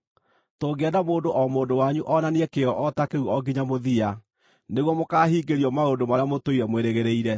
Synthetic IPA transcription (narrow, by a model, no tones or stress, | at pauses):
toːɡɛdamoːndoʔɔmoːdowaɲuʔɔnaneɛkeɔʔɔtakeuɔɡiɲamoðia | neɣwɔmokaːɦiːɡeɾiɔmaondomaɾeamotoiɾɛmweɾeɣeɾeiɾɛ